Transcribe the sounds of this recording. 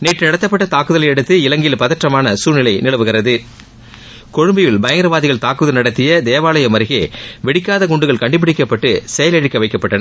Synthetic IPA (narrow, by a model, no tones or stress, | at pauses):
neːʈrɯnɐɽɐt̪ːɐpːɐʈːɐt̪aːkɯðɐlɐɛɽɯt̪ːɯɪlɐŋɡɪjɪlpɐðɐʈrɐmaːnɐsuːɾnɪlɐɪnɪɭɐʋɯɣɪɾɐðɯ | kɔɻɯmbɐjɪlbɐjɐŋɡɐɾɐʋaːðɪɣɐɭt̪aːkɯðɐlnɐɽɐt̪ːɪjɐd̪eːʋaːlɐjɐmɐɾɪɣeːʋɛɽɪkːaːðɐɡɔɳɖɯɣɐɭkɐɳɖɯp̬ːɪɽɪkːɐpːɐʈːɯsɛjɐlɛɽɪkːɐʋɐɪkːɐpːɐʈːɐnɐ